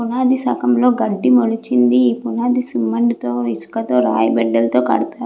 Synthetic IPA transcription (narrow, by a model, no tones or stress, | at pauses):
punaːd̪isɐkɐmlo̞ːɡɐɖːimolut͡ʃind̪iːpunaːd̪isumːɐɳɖit̪oːisu̥kɐt̪oːɾa̰ːjɐbɛɖːɐlt̪o̞ːkɐ̰ɽut̪aːu